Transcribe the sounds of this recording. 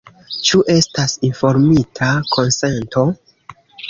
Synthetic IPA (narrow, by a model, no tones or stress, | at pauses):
t͡ʃuʔe̞stasinfo̞ɾmitʰakʰo̞nse̞nto̞